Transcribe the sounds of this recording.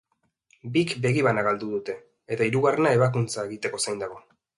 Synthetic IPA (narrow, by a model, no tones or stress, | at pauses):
bikbe̞ɣiβanaɣald̪uðut̪e̞ː | t̪aiɾuɣare̞nae̞β̞akunt͡sae̞ɣit̪e̞ko̞sajnd̪aɣ̞o̞